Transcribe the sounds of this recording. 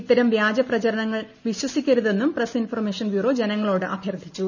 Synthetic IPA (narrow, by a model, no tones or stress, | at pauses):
it̪ːɐɾɐmʋjaːd͡ʑɐprɐt͡ɕɐɾɐɳɐŋːɐɭ | ʋiɕwɐsikʲːɐɾuðe̞nːumpresinfɐrme̞ːʂɐnbjuːro̞ːd͡ʑe̞nɐŋːɐɭo̞ːɽɨʔɐbʱjɐrd̪ʱːit͡ɕːu